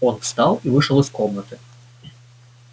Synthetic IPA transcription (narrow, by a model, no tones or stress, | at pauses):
ɔnfst̪ɑlˠivɨʂəlˠɨskɔmnət̪ɨ